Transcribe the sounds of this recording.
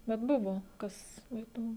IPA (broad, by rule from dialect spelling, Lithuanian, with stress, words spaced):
bʲɛt ˈbʊʋoː ˈkɐs ˈɛɪtʊm